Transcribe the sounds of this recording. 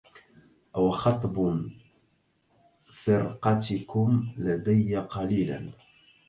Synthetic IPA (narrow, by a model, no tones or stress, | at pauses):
ʔawxɑt̪ˤb | fɪɾqɑt̪ɪkʊmlad̪ajːaqɑliːla̰n